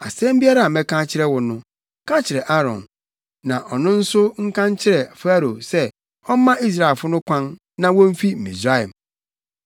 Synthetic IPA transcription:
a˨sɛ̃˦m˦bi˦a˦ɾa˦˨a˨mɛ̃˦kã˦t͡ɕʰɪ˦ɾɛ˦wʊ˨nʊ̃˦ | kʰã˦t͡ɕʰɪ˨ɾɛ˨ʔa˦ɾɔ̰̃˨n | nã˨ʔɔ˨nʊ̃˦n̩˦sʊ˦ŋ̩˦kã˦ɲ˦t͡ɕʰɪ˦ɾɛ˨fa˦ɾo˨sɛ˦ | ɔ˦m˦mã˦ʔi˦s̬ɾa˨e˨lfʊ˦nʊ̃˦kʷʰã˦nː | ã˨wɔ̃˦m̩˦fi˦m̩˨mḭ̃˨sɾa˦˨ɛ˨m

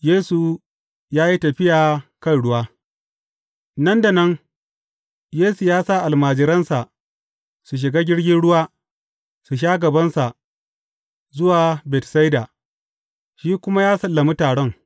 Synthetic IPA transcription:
jeː˦su˨ | jaː˦ji˦tɐ˨ɸɪ˦jaː˨kɐ˦nɽʊ˦waː˦ | nɐ˦nda˨nɐ˦ŋ | jeː˦su˨jaː˦saː˦˨ʔa˨lmaː˨d͡ʒɪ˨ɾɐ˦nsa˨ʔ | su˨ʃ̬ɪ˨ɡaː˦ɡʲɪ˦ɽɡʲɪ˦nɽʊ˦waː˦ | su˨ʃ̬aː˦ɡɐ˨bɐ˦nsa˨ʔ | zʊ˦waː˨bɛ˨tsa˦jdaː˨ | ʃiː˦kʷʊ˦ma˦jaː˦sɐ˨lːɐ˨mu˦taː˨ɽɔ˦ŋ

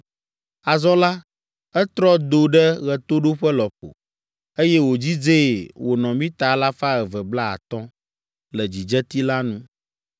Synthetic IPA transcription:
a˨zɔ̃˦la˦ | ɛ˦t̪ɾɔ˦d̪o˨ɖɛ˦ɣɛ˨t̪o˦ɖo˦ɸɛ˦lɔ˨ɸo̰˨ | e˦jɛ˦wo˨d͡ʑi˦d͡ze˦˨wo˨nɔ̃˨mĩ˦t̪a˨˦la˦fa˦ɣɛ˨vɛ˨bla˦a̰˨t̪ɔ̃˦ | lɛ˨d͡ʑi˨d͡ʒɛ˦t̪i˦la˦nũ˦

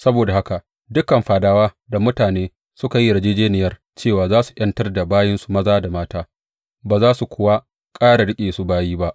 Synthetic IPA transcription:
sɐ˦boː˨da˨ha˦ka˨ | dʊ˦kːɐ˨mɸaː˨daː˦waː˦ | da˨mʊ˦taː˨neː˦ | sʊ˦ka˨ji˦˨ɾɐ˨˦d͡ʒeː˦d͡ʒeː˦nɪ˨jɐ˦r | t͡ʃeː˦˨waː˨zaː˦su̥˨ʔɐ˦ntɐ˦rda˨baː˦jɪ˦nsu˨mɐ˦zaː˦da˨maː˦taː˦ | baː˨zaː˦su˨kʷʰʊ˦wa˦ | kʼaː˦ɽa˨ɽɪ˦kʲʼeː˨su˦baː˦jiː˦ba˦ʔ

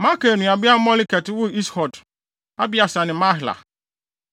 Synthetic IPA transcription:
ma˦ka˨nũ˨a˨bɪ˦a˦mɔ˦li˦kɛ˨tɪ˨˦wʊ˦i˦shɔ˨d | a̰˦bɪ˦a˨sa˨nɪ̃˨mã˦ɦla̰˨

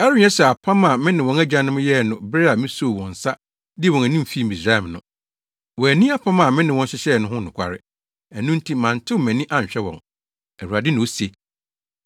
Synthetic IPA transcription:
ɛ˦ɾɪ˨˦ɲ˨ɛ̃˦sɛ˨a˨pʰã˦mã˨mɪ̃˦nɪ̃˨wɔ̃˨næ˦d͡ʑã˨˦nʊ̃˦m̃˦jɛ˦˨nʊ̃˨bɾe˦a˨mɪ̃˦so˦˨wɔ̃˨n̩˨sa˦ | dɪ˦ɛ˨wɔ̃˨næ˨nĩ˦m˨fi˦m̩˨ĩ˨sɾa˦ɛ˨mnʊ̰̃˦ | wɔ˨æ˨nĩ˦a˦pʰã˦mã˨mɪ̃˦nɪ̃˨wɔ̃˦n˦ɕɪ˦ɕɛ˦˨nʊ̃˦ɦʊ̃˦nʊ̃˨kʷʰa̰˨ɾɪ̰˦ | æ˨nũ˦n̩˦tʰi˦mã˨n̩˨tʰɪ˦˨mæ̃˨nĩ˦ʔã˦ɲ˨ɕᶣɛ˦wɔ̰̃˨ŋ | æ˨hu˨a˨dɪ˦nʊ̃˨o˦se˨

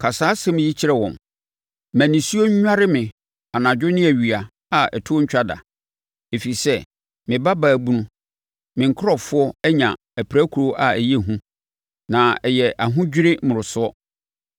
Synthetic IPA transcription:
kʰa˨saː˦sɛ˦mɪ̃˨ji˦t͡ɕʰi˦ɾɛ˨wɔ̰̃˨m | mæ̃˨nĩ˨su˦o˦ɲ˦ɲᶣ˦a˦ɾɪ˦mɪ̃˨ | a˨nã˨d͡ʑᶣʊ˦nɪ̃˦æ˨ɥi˨a˨ | a˨ɛ̰˨tʰʊ˦ɔ˦ɲ̩˦t͡ɕᶣa˦da̰˨ | e˨fi˨sɛ˦ | mɪ̃˨ba˦baː˨bu˦nũ˦ | mɪ̃˨ŋ̩˨kʰɾɔ˦fʊ˦ɔ˦ɛ˦ɲã̰˨ | æ˨pʰɾæ˦kʰu˨ɾo˦ʔa˨æ˨jɛ˦˨ɦũ˦ | nã˨ɛ˨jɛ˨ʔa˨ɦʊ̃˦d͡ʑᶣɪ˦ɾɪ˦mʊ̃˨ɾʊ˨sʊ˦ɔ˦

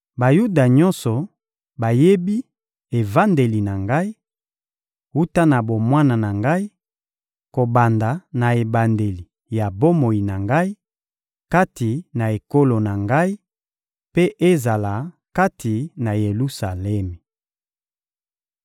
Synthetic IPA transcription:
ba˨ju˦da˨ɲɔ˦nsɔ˨ | ba˨je˦bi˦ | e˨va˦nde˨li˨na˨ŋɡa˦i˦ | wu˦ta˦na˨bo˨mwa˦na˨na˨ŋɡa˦i˦ | ko˨ba˨nda˨na˨e˨ba˨nde˨li˨ | ja˨bo˦mo˨ji˨na˨ŋɡa˦i˦ | ka˦ti˨na˨e˨ko˦lo˨na˨ŋɡa˦i˦ | pe˦ʔe˦za˨la˨ | ka˦tʰi˨na˨je˨lu˦sa˨lɛ˦mi˨

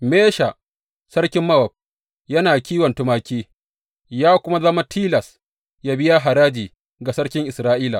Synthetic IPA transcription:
meː˦ʃa˨ | sɐ˦rkʲɪ˦mːɐ˦wɐ˨b̚ | jɐ˦naː˨kʲiː˦wɐ˨ntʊ˦maː˦kʲiː˦ | jaː˦kʷʊ˦ma˦zɐ˦ma˦tʰiː˦lɐ˨s | jaː˦bɪ˦ja˦ɦa˨ɾaː˦d͡ʒiː˨ | ɡa˨sɐ˦ɽkʲɪ˦ŋʔɪ˨sɾaː˦ʔiː˦la̰˨

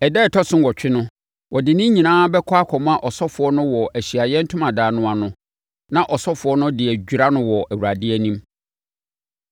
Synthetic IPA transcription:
ɛ˨dɛː˦˨tʰɔ˦sʊ̃˦n˦wɔ˨t͡ɕᶣɪ˦nʊ̃˦ | wʔɔ˨dɪ˨nɪ̃˦ɲĩ˨nãː˦bɛ˦kʰɔ˦a˦kʰɔ˨m˦a˦ʔɔ˨sɔ˦fʊ˨˦ɔ˦nʊ̃˦wɔ˨ʔæ˨ɕi˨a˨jɛ˦n̩˦tʰʊ̃˦mã˨daː˨nʊ̃˦a˨nʊ̃˦ | nã˨ʔɔ˨sɔ˦fʊ˨ɔ˦nʊ̃˦dɪ˨æ˨d͡ʑᶣu˨ɾa˦nʊ̃˦wɔ˨ʔæ˨wu˨ɾa˨dɪ˦æ˦nĩ˦m

